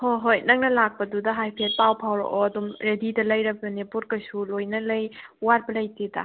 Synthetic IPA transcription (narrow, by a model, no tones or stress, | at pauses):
hoɦojnɐŋnɐlak̚pɐdudɐɦajpʰet̚pawpʰawɾo̰ʔoɐdumɾedidɐlɐjɾɐbjunepuɾ̚kɐsulojnɐlɐjwaɾ̚bɐlɐjteda̰